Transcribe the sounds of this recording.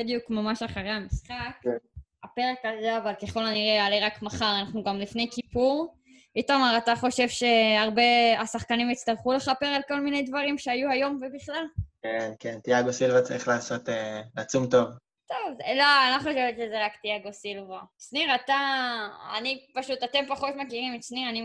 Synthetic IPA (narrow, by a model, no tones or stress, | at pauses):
bed̪jukmamaʃaχaʁejamisχaka̰peʁe̞kazeavalkeχo̞laniʁealeʁakmaχaʁanaχnuɡamlifne̞jkipuʁ | itomaʁataχo̞ʃe̞vʃe̞aʁbe̞asaχkanimit͡st̪aʁχule̞χape̞ʁalko̞lmine̞jdvaʁimʃeajuajo̞mvebiχlalkenkent̪iaɡosilvat͡sa̰ʁiχlaːso̞t̪eat͡sumto̞v | t̪o̞vzeloalaχo̞ʃevet̪ʃezeʁakt̪iaɡo̞silvasniʁat̪a | a̰nipaʃut̪at̪e̞mpaχo̞t̪makiʁimet̪sniʁani